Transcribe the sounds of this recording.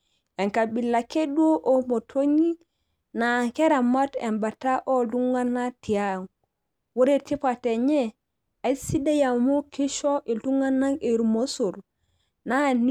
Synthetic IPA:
e˨ŋka˨bi˨lːa˨ke˦du˦o˦ʔo˦mo˨tʰo˦ɲi˦ | na˨ke˦ɾa˨ma˦tḛ˨mba˨ta˦ʔo˦lu˦ŋɡa˦na˦ti˨ja˦ŋ | wo˦ɾe˨ti˦pa˨te˨ɲe˦ | a˨isi˦da˦ja˨mo˦ki˦ʃo˦ʔe˨lu˦ŋɡa˦na˦e˨ɾmo˦su˨ɾ | na˦n

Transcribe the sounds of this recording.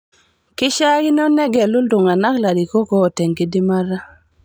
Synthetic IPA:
kɪ˦ʃa˦ki˦n˦ɔ˦nɛ˦ɡɛ˨lu˦ldʊ˨ŋa˨na˦kla˨di˨ko˦kɔː˦˨tɛ˨ŋki˦di˦ma˦ɾa˦

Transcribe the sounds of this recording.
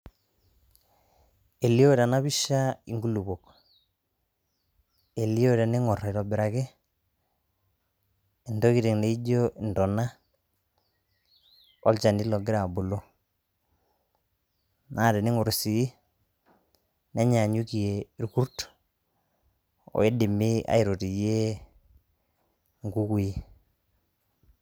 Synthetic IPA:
e˨li˦o˦ɾa˨na˦bi˦ʃa˦i˨ŋɡu˦lu˨bo˨k | e˨li˦o˦ɾe˨ne˦ŋɔ˨ra˨ɾɔ˨bɪ˨ɾa˨ke˦ | e˨ndo˦ki˨ɾe˨ŋne˨i˦d͡ʒo˦i˨ndɔ˨na˦ | ɔ˦lt͡ʃa˨ndi˦lɔ˨ɡɪ˦ɾa˨bu˨lo˦ | na˦˨dɛ˨ni˦ŋo˨ɾsi˨i˦ | ne˦ɲa˨ɲu˦ki˨je˨i˨ɾku˦ɾt | ɔ̰˨e˦di˨mi˦a̰˨i˨ɾo˨ti˨je˦ | ŋɡu˦ku˨i˦

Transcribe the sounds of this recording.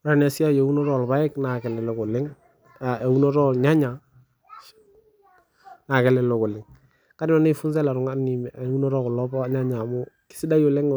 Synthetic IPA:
ɾa˦˨nɛ˨sɪ˦a˦je˨u˦nɔ˦ɾɔ˦˨lba˦ɪ˦kna˨kɛ˨lɛ˨lʊ˨kʊ˨lɪ˦ŋ | a˨e˨u˦nɔ˦ɾɔ˦˨lɲa˦ɲa˨ | na˨kɛ˨lɛ˨lʊ˨kʊ˨lɪ˨ŋ | ka˦dɪ˦nɔ˨ne˦fʊ˦nsɛ˦la˨ɾʊ˨ŋa˦ni˨m˨˦u˦nɔ˦ɾɔ˦kʊ˨lɔ˦ba˦ɲa˦ɲa˨mʊ˦kɪ̥˦sɪ˦da˦jo˨lɪ˦ŋ

